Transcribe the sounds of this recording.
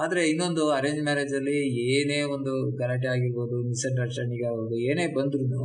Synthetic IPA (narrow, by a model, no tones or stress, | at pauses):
aːd̪ɐɾeinːo̞nd̪uɐɾeːɲd͡ʒmaːɾeːd͡ʒ̪ɐlːieːneːond̪uɡaːɾɐɳʈ̬iaːɡiɾboːd̪uniseɳʈɐt͡ʃɐniɡaːɡoːd̪ueːne̞ːbɐnd̪ɾunu